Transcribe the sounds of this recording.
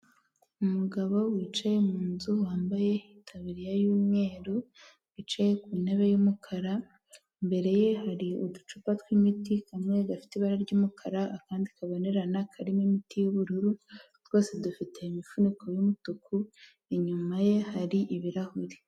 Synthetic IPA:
umuɡaβo̞wiːt͡ʃajemuːnzuwaːmbaje̞itʰaβiɾijajuːmɲe̞ːɾu | βit͡ʃaje̞kuːne̞βe̞jumukʰaɾa | mbe̞ɾe̞je̞haɾiudut͡ʃupatwimitikamŋe̞ɡafi̥teβaɾaɾɟuːmukʰaɾaːkaːndikaβo̞neɾanakʰaɾimimitijuβuɾuɾu | tw̥o̞ːse̞dufite̞imifuniko̞jumutukʰu | eɲumaje̞haɾiʔiβiɾahuɾi

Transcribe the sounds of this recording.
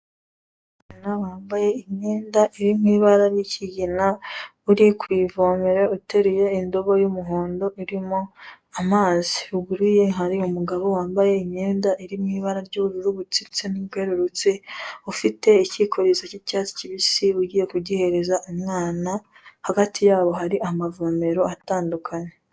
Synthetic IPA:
maːnawaːmbaje̞imɲeːndaʔiɾimŋiːβaɾaɾjicʰiɟina | uɾikwiːvoːmeɾe̞uteɾije̞indo̞βo̞jumuɦoːndo̞ʔiɾimo̞ | amaːziuɡuɾije̞ŋaɾiumuɡaβo̞waːmbaje̞imɲe̞ːndaʔiɾimŋiːβaɾaɾɟouɾuɾuβut͡sit͡seniɡwe̞ɾuɾut͡siufite̞icikoɾizacicaːt͡si̥ciβisiuɟije̞kuɟihe̞ɾe̞zaʔumŋaːna | haɡatʰijaːβo̞ɦaɾiamavo̞ːme̞ɾo̞ataːndukʰaɲe

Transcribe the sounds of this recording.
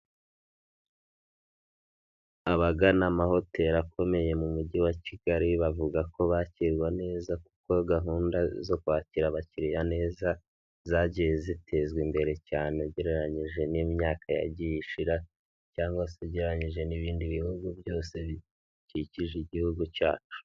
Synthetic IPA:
aβaɡanamaho̞te̞ɾakʰo̞me̞je̞mumuɟiwaciɡ̥aɾiβavuɡakʰo̞βaciɾɡwane̞ːzaku̥ko̞ɡaɦuːndazo̞kwaːciɾaβaciɾijane̞ːza | zaːɟejezitʰe̞zɡwimbe̞ɾe̞caːneɟeɾeɾaɲiʒe̞nimɲaːkaja̰ɟijiʃiɾa | caːŋɡwaseɟeɾaɲiʒe̞niβiːndiβihuɡubjo̞ːse̞ | ciciʒiɟihuɡuca̰ːt͡ʃu̥

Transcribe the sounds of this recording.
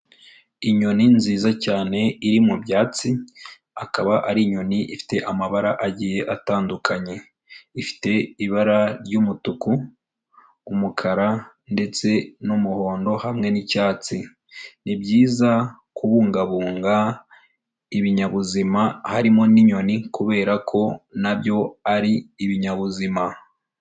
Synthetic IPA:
iɲo̞ninziːzacaːne̞iɾimubɟaːt͡si | akaβaʔaɾiɲo̞niʔifi̥te̞ʔamaβaɾaʔaɟiːje̞ʔataːndukʰaɲe̞ | ifi̥te̞iβaɾaɾɟumutuku | mukʰaɾa | nde̞t͡se̞numuho̞ːndo̞hamŋe̞nicaːt͡si | nibɟiːza | kuβuːŋɡaβuːŋɡa | iβiɲaβuzimahaɾimoniɲo̞nikuβe̞ːɾakʰo̞nabjo̞aɾiːβiɲaβuzima

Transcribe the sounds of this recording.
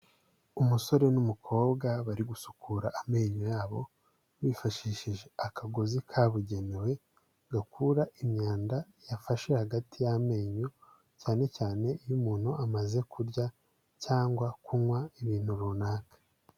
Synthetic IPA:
umuso̞ɾe̞numukʰo̞ːbɡaβaɾiɡusu̥kʰuːɾaʔame̞ːɲojaːβo̞̰ | wifaʃiːʃiʒe̞akaɡozikʰaːβuɟe̞newe̞ | ɡakuɾaʔimɲaːnda | jafaʃe̞haɡatʰijame̞ːɲo | caːne̞caːne̞ijumuːn̥huʔamaze̞kuɾɟa | caːŋɡwakunwaiβiːn̥huɾuːnaːkḁ

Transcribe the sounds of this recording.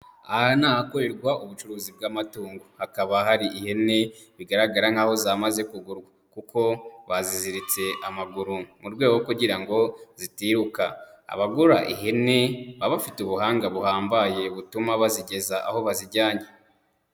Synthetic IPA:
aanaːhako̞ɾe̞ɾɡwaʔuβut͡ʃuɾuːzib̚ɡaːmatuːŋɡohakaβahaɾiihe̞ne̞ | βiɡaɾaɡaɾaŋ̥aːho̞zamaze̞kuɡuɾɡwakuko̞βaziziɾit͡se̞ʔamaɡuɾumuɾɡwe̞ːɡokuɟiɾaŋɡo̞z̥itiːhuka̰a̰βaɡuɾaʔḭɦe̞ne̞βaβafituβuhaːŋɡaβuhaːmbaje̞βutumaβaziɟe̞zaʔaho̞βaziɾɟaːɲe

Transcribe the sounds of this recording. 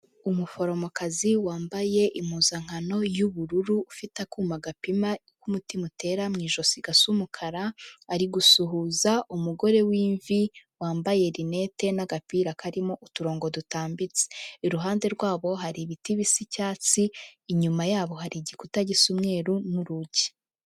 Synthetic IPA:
umufo̞ɾo̞mokaziwaːmbaje̞ʔimuːzaŋ̥hano̞juβuɾuɾuːfitakuːmaɡapima | kumutimute̞ɾamŋiːʒo̞siɡasumukʰaɾaːɾiɡusuɦuːzaʔumuɡo̞ɾe̞wiːɱviwaːmbaje̞ɾine̞te̞naɡapiːɾakʰaɾimo̞ʔutuɾo̞ːŋɡo̞dutaːmbit͡se̥iɾuɦaːnde̞ɾɡwaːβo̞ɦaɾiβitiβisicaːt͡siːɲumajaːβo̞haɾiɟikutaɟisumŋe̞ːɾunuɾuɟi̥

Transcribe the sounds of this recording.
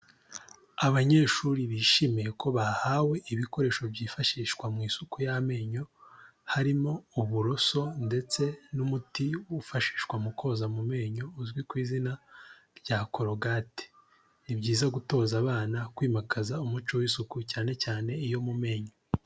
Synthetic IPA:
aβaɲe̞ːʃuɾiβiʃimijeko̞βahaːwe̞ʔiβiko̞ɾe̞ːʃo̞bɟiːfaʃiːʃkwamŋiːsukujame̞ːɲo̞ | haɾimo̞uβuɾo̞so̞nde̞t͡se̞numutiwufaʃi̥ːʃkwamukʰo̞zamume̞ːɲo̞uzɡwikwiːzina | ɾɟakʰo̞ɾoɡate̥ | ibɟiːzaɡuto̞ːzaβaːnakwiːmakazaumut͡ʃowisukucaːne̞caːne̞ijo̞mume̞ːɲo

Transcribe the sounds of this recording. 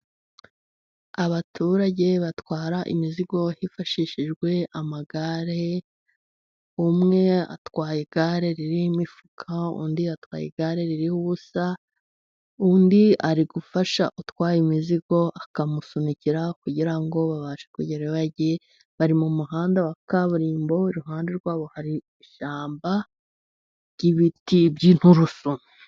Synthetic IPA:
aβatʰuɾaɟe̞βatwaːɾaʔḭmiziɡo̞hifaʃiʃiʒɡwe̞amaɡaɾe̞ | umŋe̞a̰twaːjeɡ̥aɾe̞ɾiɾimifu̥kʰaṵːndiatwa̰ːjḛɡaɾe̞ɾiɾihuβusa | uːndiaɾiɡufaʃaʔutwaːjimiziɡo̞ʔakamusuniciɾakuɟiɾaŋɡo̞βaβaʃe̥kuɟeɾeβaɟe | βaɾimumuɦaːndawakaβuɾiːmbo̞iɾuɦaːndeɾɡwaːβo̞haɾi | iʃaːmba | ɟ̥iβitibɟin̥huɾusunu

